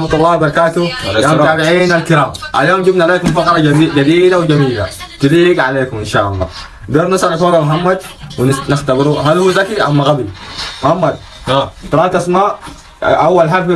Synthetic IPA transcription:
mt̪ˤulːɑːbɑɾˤɑkaːt̪ujamtt̪aːbiʕiːnalkɪɾaːmʔa̰ljoːmd͡ʒibnaaleːkumfɑqɾˤɑd͡ʒad̪iːd̪awd͡ʒamiːla̰t̪iliːɡʕaleːkumʔɪnʃaːʔɑ̰lˤːɑ̰ː | d̪eːɾnɪsʔalakoːɾalmɦamːad̪winɪxt̪abɪɾuɦalhuːzakiʔamːaɣabilmʊhamːad̪̚ | mt̪ɾˤɑːt̪asmaːʔ | ʔawːalħalf

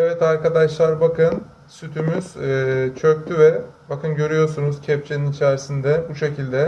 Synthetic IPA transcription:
ɛvɛt̪aɾkad̪aʃlˠaɾbakɯn | syt̪ʰymyz̥ːt͡ʃʰøc̚t̪ʰyvɛbakʰɯnɟø̞ɾyjo̞ɾsunuz̥cʰɛpt͡ʃʰeninit͡ʃʰæɾsind̪ɛbuʃe̞cilʲd̪ɛ

